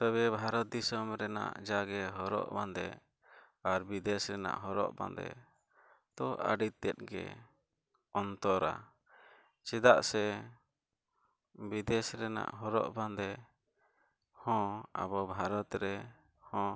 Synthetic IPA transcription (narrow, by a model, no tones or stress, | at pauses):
t̪ɔβɛbʱaɾɔt̪̚d̪isɔmɾɛna̰ʔd͡ʒaɡɛɦɔɾɔ̰ʔband̪ɛ | aɾbid̪ɛsɾɛna̰ʔɦɔɾɔ̰ʔbã̰nd̪ɛ̰ | t̪ɔʔa̰ɖit̪ːɛt̪̚ˀɡɛ̰ | ɔnt̪ɔɾa̰ | t͡ʃɛd̪aʔsɛ | bid̪ɛsɾɛna̰ʔɦɔɾɔ̰ʔband̪ɛ | hɔ̃a̰bɔbʱaɾɔt̪ɾɛ | hɔ̃